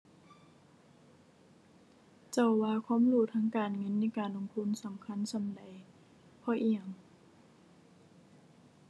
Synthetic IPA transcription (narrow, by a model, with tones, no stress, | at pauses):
t͡ɕa˧˩wːaː˧kʰwaː˧˥˨mluː˧˩t̪ʰaː˧˥˨ŋkaː˨˩nŋɤ˧˥˨nːa˧˥˨jkaː˨˩nlo˧˨ŋt̪ʰu˧˥˨nsa˨˦mkʰa˧˥˨nsa˨˦mda˨˩˦j | pʰɔː˧˨ʔi˧˩ə˨ŋ